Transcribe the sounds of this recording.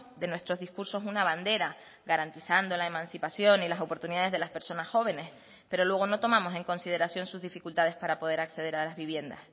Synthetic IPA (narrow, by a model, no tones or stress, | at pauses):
d̪e̞nwe̞st̪ɾo̞zðiskuɾso̞sunaβ̞and̪e̞ɾa | ɡaɾant̪isand̪o̞lae̞mãnsipasjo̞nilaso̞po̞ɾt̪uniðaðe̞zðe̞laspe̞ɾso̞nasxo̞β̞e̞ne̞s | pe̞ɾo̞lwe̞ɣ̞o̞no̞t̪o̞mãmo̞se̞ŋkõ̞nsið̞e̞ɾasjo̞nsuzðifikult̪að̞e̞spaɾapo̞ð̞e̞ɾakse̞ð̞e̞ɾalazβiβ̞je̞nd̪a̰s